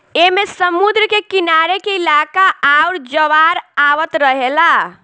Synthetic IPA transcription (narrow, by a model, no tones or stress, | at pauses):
emesəmud̪ɾkekinaɾekeilakaauɾd͡ʒəʋaɾaʋət̪ɾəɦela